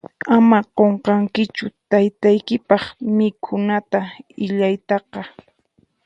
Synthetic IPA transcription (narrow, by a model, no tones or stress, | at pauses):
amaqoɴqɑŋkɪt͡ʃʊt̪ajt̪ajkɪpɑχmɪkʰʊnat̪aɪʎajt̪ɑqɑ